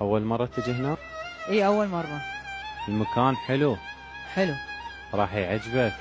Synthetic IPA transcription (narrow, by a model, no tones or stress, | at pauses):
ʔawːalmɑrˤːɑt̪ːad͡ʒɪhna | ʔiːʔawːalmɑrˤːɑɪlmakaːnħɪlu | ħɪlu | ɾˤɑːħjʕad͡ʒba